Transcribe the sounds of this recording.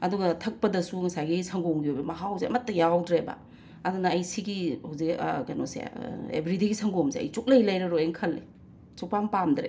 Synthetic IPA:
ɐduɡɐtʰɐk̚pɐdɐsuŋɐsajɡisɐŋɡoŋɡiojbɐmɐɦawseɐ̰mɐtːɐjawdɾebɐ̰ | ɐdunɐɐjsiɡihawzikkɐjnosḛḛbɾidiɡisʰɐŋɡomseɐ̰jt͡ʃuk̚lɐjlɐjɾɐɾoeŋkʰɐlːe | t͡ʃuk̚paŋpamdɾḛ

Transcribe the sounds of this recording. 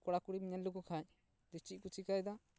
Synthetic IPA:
kɔɽakuɽimiɲalukukʰac | d̪it͡ʃiʔ̚ˀkut͡ʃikajd̪a

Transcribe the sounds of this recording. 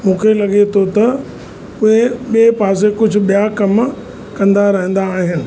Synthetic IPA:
mũːkʰelɐɠet̪ʰot̪ɐ | ʊeɓiepaːs̬ekʊd͡ʑʱʊ̆ɓijakɐm | kɐ̃nd̪aɾɐɦə̃n̆d̪aːɦɪnɪ̆

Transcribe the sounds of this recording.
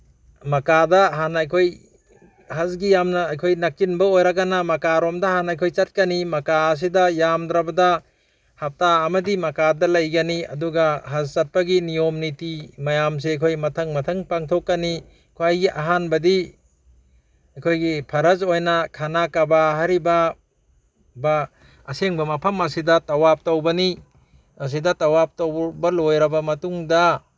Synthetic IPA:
mɐkadɐɦanajkʰoj | hɐzɡijamnɐːjkʰojnakːinbɐojɾaɡanamɐkaɾomdɐhanajkʰojt͡ʃat̚kɐnimɐkaːs̬idɐjamdɾabɐda | hap̚taːmɐdimɐkadɐlɐjɡɐniɐ̰duɡaɦazt͡ʃɐt̚paɡinijomnitimajams̬ekʰojmɐtʰɐŋmɐtʰɐŋpaŋtʰokːani | kʰoajɡiʔaɦanbɐdi | akʰojɡipʰɐɾɐzojnakʰanakabaɦaɾiba | baː | seŋbɐmɐpʰɐmɐsidɐtawap̚tawbɐni | as̬idɐtawap̚tawbɐlojɾɐbɐmɐtuŋda

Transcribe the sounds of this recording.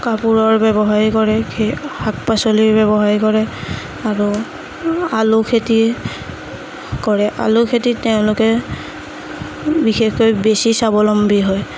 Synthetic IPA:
kapuɹɔɹbɛbɔɦaɹikɔɹɛkʰehak̚pasoliɹbɛbɔɦaɹikɔɹɛ | aɹu | alʊkʰeti | kɔɹɛʔa̰lʊkʰetiteʊ̃lʊkɛ | bixexkojbesisabɔlɔmbiɦɔj

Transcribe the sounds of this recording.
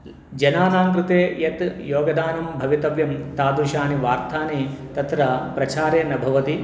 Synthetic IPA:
d͡ʒɐnaːnaːŋkɾɪt̪eːjɐt̪joːɡɐd̪ʱaːnɐmbʱɐʋit̪ɐʋjɐmt̪aːd̪ɾuʃaːniʋaːɾt̪ʰaːnit̪ɐt̪ɾɐpɾɐt͡ʃaːɾeːnɐbʱɐʋɐt̪i

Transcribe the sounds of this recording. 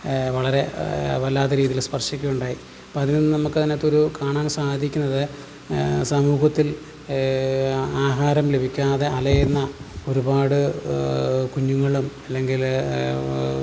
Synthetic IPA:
ʋɐɭɐɾe̞ʋɐlːaːðɐɾiːðijilspɐrʂikʲːujuɳɖaːji | ɐpoːɐðinnːɨnɐmukːɨt̪inːet̪ːo̞ɾukaːɳaːnsaːd̪ʱikʲːunːɐðɨ | sɐmuːɦɐt̪ːil | aːɦaːɾɐmlebʱikʲːaːðe̞ʔɐlɐjenːɐo̞ɾubaːɽɨ | kuɲːuŋːɐɭumɐlːe̞ŋɡil

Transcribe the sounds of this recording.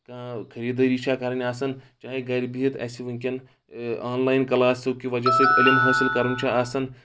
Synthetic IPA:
kãkʰɐɾiːd̪ɐɾiːt͡ʃʰakɐːɾɐniaːsɐnt͡ʃaːɦiɡɐɾʲbiɦit̪ɐ̰ːsiʋɐŋkʲɐn | aːnlaːjinkɐlaːsɐwkʲiʋɐd͡ʒɐsɐt̪elʲimɦaːsilkɐɾunʲt͡ʃʰaasɐn

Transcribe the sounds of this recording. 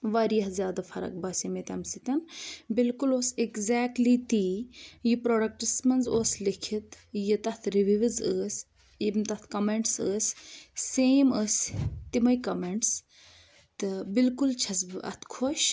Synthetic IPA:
ʋɐɾijɐhzjaːd̪afɐɾɐ̰k̚bɐsimet̪ɐ̰msit̪ɐnbilkuloːsekzɛːk̚ʈlit̪iːjipɾoːɖɐk̚ʈɨsmɐnzoːslikʰit̪ | jit̪ɐt̪ʰɾiʋiʋizəːsʲ | imt̪ɐt̪ʰkɐmeɳʈsəːsʲː | eːməsʲt̪imɐjkɐmeɳʈs | t̪ɨbilkult͡ʃʰɐsbɨʔɐ̰t̪ʰkʰoʃ

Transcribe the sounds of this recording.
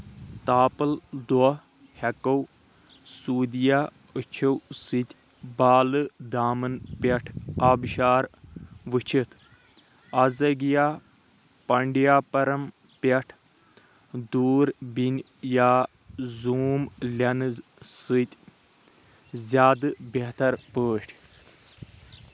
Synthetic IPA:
t̪aːpɐld̪ɔ | hɐkɐw | suːd̪ijaː | ɨt͡ʃʰɐwsɨt̪ʲ | baːlɨd̪aːmɨnpʲɐʈʰaːbʃaːɾʋɨt͡ʃʰit̪ʰ | azɐɡjaː | pɐɳɖjaːpɐɾɐm | pʲɐʈʰ | d̪uːɾbinʲ | jaː | zuːmlʲɐnɨsɨt̪ʲ | zʲaːd̪ɨbʲeɦt̪ɐɾpəːʈʲʰ

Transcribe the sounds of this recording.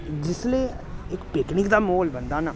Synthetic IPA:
d͡ʒɪsleː | ɪkpɪknɪkd̪aːmoːlbənd̪aːnaː

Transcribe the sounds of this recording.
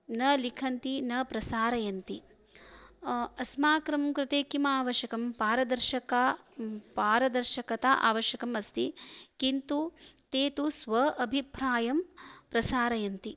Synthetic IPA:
nɐlikʰɐnt̪inɐpɾɐsaːɾɐjɐnt̪i | ɐsmaːkɾɐmkɾɪt̪eːkimaːʋɐʃɐkɐmpaːɾɐd̪ɐɾʃɐka | paːɾɐd̪ɐɾʃɐkɐt̪aʔa̰ːʋɐʃjɐkɐmɐst̪ikint̪ut̪eːt̪usʋɐʔɐbʱipɾaːjɐmpɾɐsaːɾɐjɐnt̪i

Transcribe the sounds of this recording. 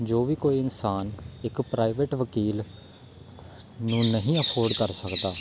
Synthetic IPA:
d͡ʒoːʋiːkoːiːɪnsaːnɪkpɾaːɪʋeːʈʋəkiːl | nũːnəɦĩːəpʰoːɾɖkəɾsəkd̪aː

